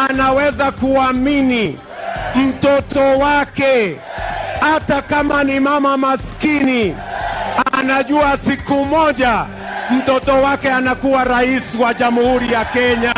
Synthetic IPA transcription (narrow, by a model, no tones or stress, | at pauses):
anawɛzakuamini | m̩tɔtɔwakɛ | hatakamanimamamaskini | anaʄuasikumɔʄa | m̩tɔtɔwakɛanakuwaɾaisiwaʄamhuɾijakɛɲa